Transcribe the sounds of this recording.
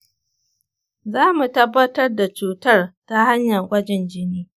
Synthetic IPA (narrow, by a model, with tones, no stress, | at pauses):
zaː˦mu˨tɐ˦bːɐ˦tɐ˦rda˨t͡ʃuː˨tɐ˦rta˦ha˦ɲjɐ˨rɡʷɐ˦d͡ʒɛ˨nd͡ʒɪ˦niː˦